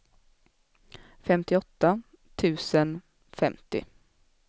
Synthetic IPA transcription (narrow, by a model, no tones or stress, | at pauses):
fɛmt̪ɪɔt̪ːa | t̪ʰʉ̟ːsən | fɛmt̪ɪ̰